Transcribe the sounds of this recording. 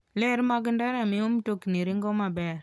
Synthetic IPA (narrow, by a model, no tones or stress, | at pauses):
lɛɾmaɡəndaɾamiomtokniɾiŋɡɔmabɛɾ